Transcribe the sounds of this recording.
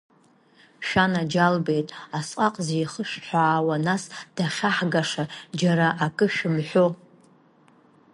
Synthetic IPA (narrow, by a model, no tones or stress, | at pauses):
ʃᶣanad͡ʒalbejtʼasqʼaqʼzejχəʂħʷaːwanasd̥aχʲaħɡaʂad͡ʒaɾaʔakʼɨʃᶣɪmħʷo